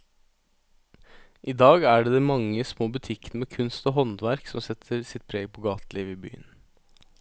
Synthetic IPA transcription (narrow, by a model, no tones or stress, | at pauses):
ʔiːd̪ɑːɡæɖeːd̪ɛːmɑŋəsmoːbʉt̪ʰɪknmeːkʰʉnst̪oːɦɔnd̪ʋæɾksɔmsɛt̪ʰəɾsɪt̪̚pʰɾeːɡpʰoːɡɑːt̪liːʋəiːby̰ːə̰n